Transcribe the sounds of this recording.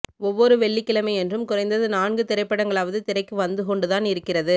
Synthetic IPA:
ɔʋːɔɾɯʋɛɭːɪkːɪɭɐmɐɪɛndrɯmkʊrɐɪnd̪ɐðɯnaːnɡɯt̪ɪɾɐɪpːɐɽɐŋɡɐɭaːʋɐðɯt̪ɪɾɐɪkːɯʋɐnd̪ɯkɔɳɖɯðaːnɪɾɯkːɪrɐðɯ

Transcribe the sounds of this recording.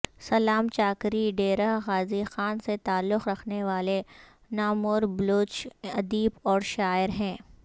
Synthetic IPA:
sɐlaːmt͡ʃaːkɾiɖeːɾəɦɣaːzixaːnset̪aːlːʊxɾɐkʰneʋaːle | naːmʊɾbloːt͡ʃɐd̪iːbɔːɾʃaːɪɾɦɛ̃ː

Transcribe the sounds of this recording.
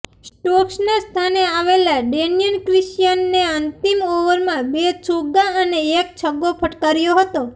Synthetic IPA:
sʈoksnast̪ʰaneaʋelaɖenijənkɾɪʃjənːeənt̪imoʋəɾmãbet͡ʃʰuɡãəneek̚t͡ʃʰəɡːopʰəʈkaɾjoɦət̪o

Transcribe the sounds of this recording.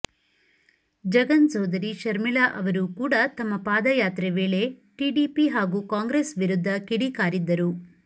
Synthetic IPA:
d͡ʒɐɡɐnsɔːd̪ɐɾiʃɐɾmiɭaʔɐʋɐɾukuːɽɐt̪ɐmːɐpaːd̪ɐjaːt̪ɾeʋe̞ːɭe | ʈiːɖiːpiɦaːɡukaːŋɡɾeːsʋiɾud̪ʱːɐkiɽikaːɾid̪ːɐɾu

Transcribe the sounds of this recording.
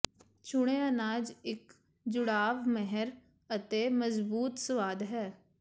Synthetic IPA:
t͡ʃʊɽ̃eːənaːd͡ʒɪk | d͡ʒʊɽaːʋmɛɦəɾ | ət̪eːməzbuːt̪səʋaːd̪ɦɛː

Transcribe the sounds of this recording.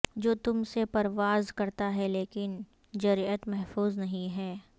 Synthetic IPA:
d͡ʒoːt̪ʊmsepɐɾʋaːzkɐɾt̪aɦɛleːkɪn | d͡ʒɐɾiət̪mɛɦfuːznɐɦĩɦɛː

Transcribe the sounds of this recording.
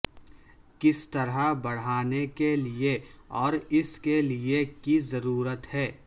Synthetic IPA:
kɪst̪ɐɾabɐɽ̤aːnekelieɔːɾɪskeliekizɐɾuːɾət̪hɛː

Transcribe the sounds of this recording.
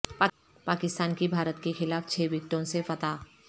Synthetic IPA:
pa | paːkɪst̪aːnkibʱaːɾət̪kexɪlaːft͡ʃʰeːʋɪk̚t̪õsefɐt̪aː

